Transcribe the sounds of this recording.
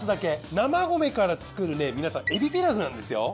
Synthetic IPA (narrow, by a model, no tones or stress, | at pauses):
sɨd̪ake̞namaɡo̞me̞kaɾat͡sɨ̥kɯɾɯ̟ne̞mʲinasãe̞bʲipeɾaɡɯ̟nãnd̪e̞sɨjo̞̰